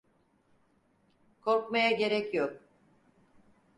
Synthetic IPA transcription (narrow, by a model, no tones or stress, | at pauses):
kʰo̞ɾkmajaɟe̞ɾɛcjok̚